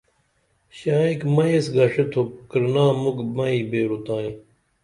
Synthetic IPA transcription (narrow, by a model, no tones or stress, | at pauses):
ɕãːikmɐjesɡɐʂet̪ʰokɾnãːmukmɐiːbeːɾut̪ãːĩ